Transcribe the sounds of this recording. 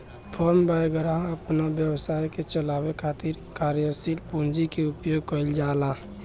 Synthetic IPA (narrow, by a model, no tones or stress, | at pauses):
pʰɔɾmbajɡəɾaəpnabjəbsajket͡ʃəlabekʰat̪iɾkaɾjəsilpund͡ʒikeupjoɡ̚kəld͡ʒala